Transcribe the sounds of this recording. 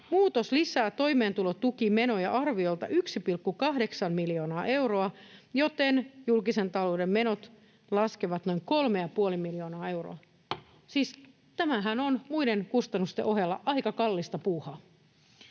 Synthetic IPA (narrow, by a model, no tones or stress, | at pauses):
muːt̪oslisæːt̪o̞imeːnt̪ulot̪ukimenojɑ̰ʔɑrʋiolt̪ɑ̰ʔyksipilkːukɑhdeksɑmmiljoːnɑːʔe̞wɾoɑjot̪enjulkisent̪ɑlo̞ːdemmenot̪ | lɑskeʋɑt̪no̞iŋkolmejɑpuolimiljo̞ːnɑːe̞wro̰ɑ | siːs | t̪æmæɦænonmuideŋkust̪ɑnːust̪ḛʔoɦjɑlːɑʔɑikɑkɑlːist̪ɑpuːhɑ